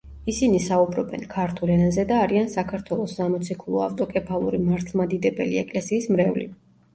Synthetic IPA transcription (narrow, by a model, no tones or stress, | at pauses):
isinisaubɾɔbɛ̰nkʰaɾt̪ʰulɛnazɛd̪aːɾiansakʰaɾt̪ʰwɛlˠɔsːamɔt̪sʰikʰulˠɔa̰ft̪ʼɔkʼɛpʰalˠuɾimaɾt̪ʰlˠmad̪id̪ɛbɛliɛkʼlɛsiːsmɾɛvlḭ